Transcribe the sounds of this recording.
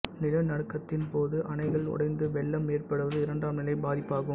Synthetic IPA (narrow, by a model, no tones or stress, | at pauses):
nɪlɐnɐɽɯkːɐt̪ːɪnpoːðɯʔɐnɐɪɣɐɭɔ̰ɽɐɪnd̪ɯʋɛɭːɐmːeːrpɐɽɯʋɐðɯɪɾɐɳɖaːmnɪlɐɪbaːðɪpːaːɣɯ